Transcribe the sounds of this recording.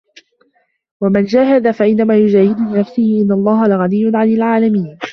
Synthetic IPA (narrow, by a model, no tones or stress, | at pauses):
wamand͡ʒaːɦad̪afaʔɪnːamaːjʊd͡ʒaːhɪd̪ʊlɪnafsɪhɪʔɪnːalˤːɑːhalɪɣaniːjːʊnʕanɪlʕaːlamiːn